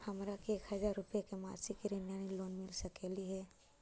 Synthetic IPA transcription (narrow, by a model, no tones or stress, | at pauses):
hɐmɾakieːkhɐzaːɾːʊpjekema̰ːɾsikiɾenjaːniloːnmɪlsəkeːliɦɛː